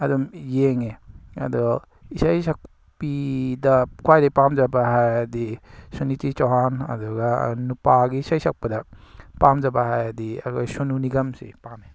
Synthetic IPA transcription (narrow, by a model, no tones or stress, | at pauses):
ɐdumjeŋeɐ̰dɔ | isajsak̚ | pidɐkʰwajdapamd͡ʒabaɦajɐdisunitit͡ʃawɦanɐ̰duɡa̰nupaɡiːsajsak̚padɐpamd͡ʒabahajɐdia̰kʰɔjsununiɡɐmsḛpame